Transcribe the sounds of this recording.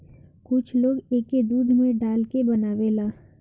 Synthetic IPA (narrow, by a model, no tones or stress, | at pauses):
kʊt͡ʃʰloːɡeːked̪uːd̪ʱmẽɖaːlkebɐnaːwelaː